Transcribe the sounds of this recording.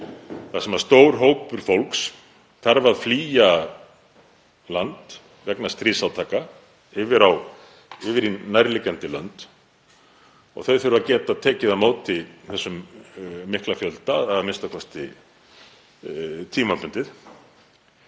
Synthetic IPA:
θasɛmast̪oːwɾ̥ɦoːwpʏɾ̥fowlks | θaɾvaðfliːja | lant̪ | vɛknast̪ɾiːsawt̪ʰaːka | ɪvɪɾaw | ɪvɪɾinajɾlicant̪ɪlœ̰nt̪ | ɔ̰ɣθœɥfɪɾʏvacɛːt̪aðt̪ʰɛːcɪðamoːwt̪ɪθɛsːʏmː | ɪhklafjœlt̪aaðmɪnst̪akʰɔst̪ɪ̰ | t̪ʰiːmapʏnt̪ɪθ

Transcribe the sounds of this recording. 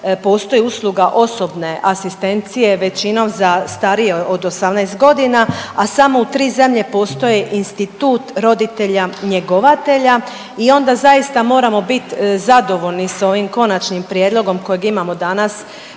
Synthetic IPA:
po̞ːst̪o̞jiuslˠuɡaʔo̞so̞bne̞ʔasist̪e̞nt̪sije̞ʋe̞t͡ɕino̞mzast̪aɾijeod̪o̞samnajst̪̚ɡo̞d̪inaasamo̞ut̪ɾiːze̞mʎe̞po̞ːst̪o̞jeʔinst̪it̪uːt̪ɾo̞d̪it̪e̞ʎaɲe̞ɡo̞ʋat̪e̞ʎa | io̞nd̪azaist̪amo̞ːɾamo̞bit̪zad̪o̞ʋo̞ʎniso̞ʋimko̞nat͡ʃnimpɾije̞d̪lˠo̞ɡo̞mko̞jeɡimamo̞d̪anas

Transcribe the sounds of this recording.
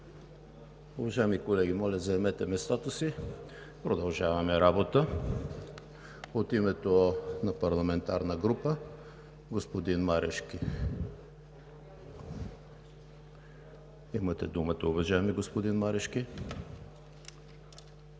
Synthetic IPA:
ʊvɐʒaɛmikolɛɡʲimɔlʲɐzɐɛmɛt̪ɛmɛst̪at̪osi | pɾod̪ɐlˠʒavɐmɛɾabot̪ə | ot̪imɛt̪onɐpɐɾlˠɐmɛnt̪aɾnəɡɾupə | ɡospod̪inmaɾɛʃkʲi | imɐt̪ɛ̰d̪umət̪əʊvɐʒaɛmiɡospod̪inmaɾɛʃki

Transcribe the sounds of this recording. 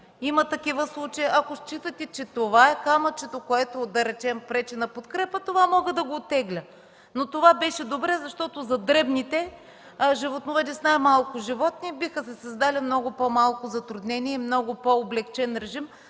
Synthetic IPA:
imɐt̪ɐkivəslˠut͡ʃɐjʔɐkost͡ʃit̪ət̪ɛt͡ʃɛt̪ovaɛkamɐt͡ʃɛt̪okoɛt̪od̪ɐɾɛt͡ʃɛmpɾɛt͡ʃɛnɐpot̪kɾɛpət̪ovamɔɡəd̪ɐɡoːt̪ːɛɡlʲə | not̪ovabɛʃɛd̪obɾɛzɐʃt̪ɔt̪ozɐd̪ɾɛbnit̪ɛ | ʒivot̪novɛd͡ʒ̪ɛsnajmalˠkʊʒivɔt̪̚nibixəsɛsɐzd̪alʲimnɔɡʊpomalˠkʊzɐt̪ɾud̪nɛniɛimnɔɡʊpoːblɛkt͡ʃɛnɾɛʒim

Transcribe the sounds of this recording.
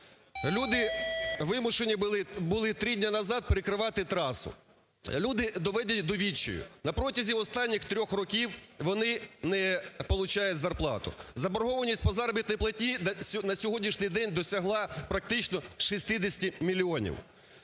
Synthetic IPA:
lʲud̪ɪʋɪmʊʃenʲibʊlˠɪt̪ɾidʲnʲanɐzɑd̪̚peɾɪkɾɪʋɑt̪ɪt̪ɾɑsʊ̰ | lʲud̪ɪd̪ɔʋɛd̪ʲitʲd̪ɔʋʲit͡ʃːɔ̰jʊ̰nɐpɾɔtʲɐzʲiɔst̪ɑnʲːixt̪ɾʲɔxrɔkʲiwʋɔnɪnɛpɔlˠʊt͡ʃɑjʊtʲzɐrplˠɑ̰t̪ʊ̰zɐbɔɾɦɔʋɐnʲisʲtʲpɔzɑɾbʲit̪nɔjplˠɐtʲnʲinɐsʲɔɦɔdʲnʲiʃnɪjd̪ɛnʲd̪ɔsʲɐɦlˠɑpɾɐk̚t̪ɪt͡ʃnɔʃisʲt̪ɪd̪ʲɪsʲtʲimʲilʲiɔnʲḭw

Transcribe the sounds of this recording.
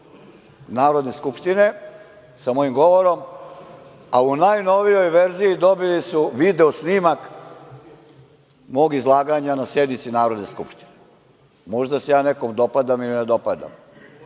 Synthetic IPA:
naːɾo̞d̪ne̞skupʃt̪ine̞ | samo̞jimɡo̞ʋo̞ɾo̞m | aunajno̞ʋijo̞jʋe̞ɾzijid̪o̞bilisuʋid̪e̞osniːmak | mo̞ːɡizlˠaːɡaɲanasje̞d̪nit̪sinaːɾo̞d̪ne̞skupʃt̪i̥ne | mo̞ʒd̪asejaːne̞komd̪o̞pad̪amilined̪o̞pad̪a̰m

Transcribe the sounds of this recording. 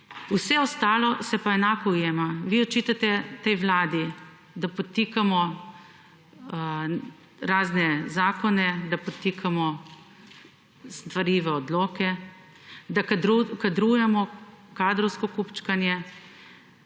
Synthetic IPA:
usɛɔst̪aːlɔsɛpaɛnaːkɔujeːmaʋiɔt͡ʃiːt̪at̪ɛt̪ɛjʋlaːd̪i | d̪apɔt̪iːkamɔ | ɾaːznɛzaːkɔnɛd̪apɔt̪iːkʰamɔ | st̪ʋaɾiːʋɛɔd̪loːkɛ | d̪aɾkad̪ɾuːjɛmɔkaːd̪ɾɔwskɔkupt͡ʃkanjɛ

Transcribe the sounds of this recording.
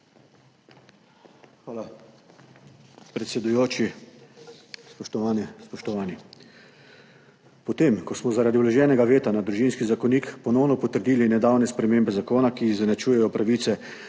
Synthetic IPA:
xʋaːla | pɾɛt̪sʲɛd̪ujoːt͡ʃi | spɔʃt̪ɔʋaːnɛspɔʃt̪ɔʋaːni | pɔt̪emkɔsmɔzaɾad̪ilɛʒɛːnɛɡaʋeːt̪anad̪ɾuʒinskizakɔniːkpɔnɔwnɔpɔt̪əɾd̪iːlinɛd̪awnɛspɾɛmeːmbɛzakoːnakizanat͡ʃuːjɛjɔpɾaʋiːt̪sɛ

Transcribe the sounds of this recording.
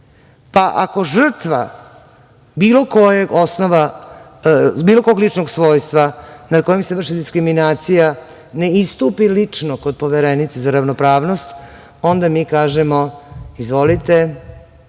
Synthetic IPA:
paʔa̰ko̞ʒr̩t̪ʋa̰ | biːlo̞ko̞jeɡo̞snoʋa | biːlo̞koːɡlit͡ʂnoɡsʋo̞ːjst̪ʋanad̪ko̞jimseʋr̩ʂʃid̪iskɾiminaːt̪sija | ne̞ist̪upilit͡ʂnoko̞d̪̚po̞ʋeɾenit̪sezaɾaʋnopɾaːʋno̞st̪ | o̞nd̪amiːkaːʒemo̞izʋo̞lit̪e̞

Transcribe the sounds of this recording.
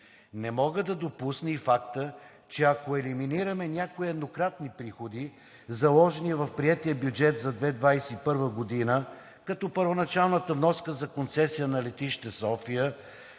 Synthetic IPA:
nɛmɔɡəd̪ɐd̪opusnifakt̪ə | t͡ʃɛɐkoɛliminiɾɐmɛnʲakoiɛd̪nokɾat̪nipɾixod̪i | zɐlˠɔʒɛniɛvɐfpɾiɛt̪iəbjud͡ʒɛt̪zɐd̪vɛd̪vajsɛipɤɾvəɡod̪inə | kɐt̪ɔpəɾvonɐt͡ʃalˠnət̪əvnɔskəzɐkont̪sɛsijənɐlɛt̪iʃt̪ɛsɔfijə

